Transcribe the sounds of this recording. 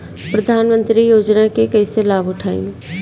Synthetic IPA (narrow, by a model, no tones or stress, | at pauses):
pɾɐd̪ʱaːnmə̃nt̪ɾijoːd͡ʒnakekɐːselaːbʊʈʰaːḭ̃